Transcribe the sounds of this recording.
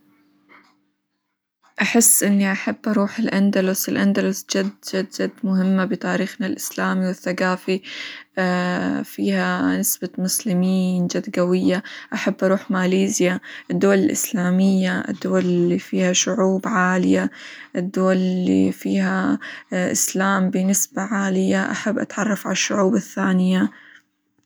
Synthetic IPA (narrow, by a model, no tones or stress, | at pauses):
ʔaħɪsːʔɪnːiʔaħabːʔɑɾˤuːħɪlʔand̪alʊsɪlʔand̪alʊsd͡ʒad̪d͡ʒad̪d͡ʒad̪mʊɦɪmːabɪt̪ˤaːɾiːxnalʔɪslaːmiwɪθːaɡaːfiafiːhanɪsbamʊslɪmiːnd͡ʒad̪ɡawɪjːaʔaħabːʔɑɾˤuːħmaːliːzjaʔɪd̪ːʊwalɪlʔɪ̰slaːmɪjːaɪ̰d̪ːʊwallifiːhaʃʊʕuːbʕaːlɪjaʔɪd̪ːʊwallːḭfiːha | ʔɪ̰slaːmbɪnɪsbaʕaːlɪjaʔa̰ħabːʔa̰t̪ʕɑrˤːɑfʕalaʃːʊʕuːbaθːaːnɪja